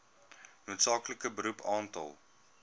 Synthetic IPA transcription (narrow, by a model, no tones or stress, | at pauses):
noːtsɑːkləkəbəɾupʰɑːntɐ̰lˠ